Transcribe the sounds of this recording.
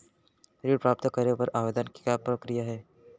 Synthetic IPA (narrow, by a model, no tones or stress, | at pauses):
ɾiːɽpɾaːp̚t̪əkəɾepəɾaːʋed̪ənkikapɾəkɾijaɦɛː